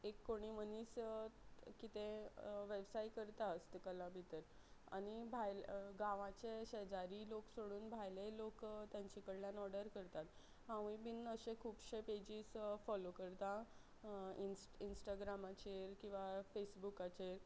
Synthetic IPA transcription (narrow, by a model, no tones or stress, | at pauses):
ekːoɽ̃iməniːs | kit̪ẽʋebsaikəɾt̪aəst̪kəlãbʱit̪əɾ | a̰ɽ̃ibʱajlɡãʋãt͡ɕeɕəd͡zaɾiloksoɽuːnbʱajlelokt̪jãɲt͡ɕikəɽljãnɔɾɽəɾkəɾt̪at̪ | ɦãʋibinəɕẽkʰuːpɕeped͡ʑiːsfɔlokəɾt̪a | insinsʈaɡɾamat͡ɕeɾkĩw̃ʋafesbukat͡ɕeɾ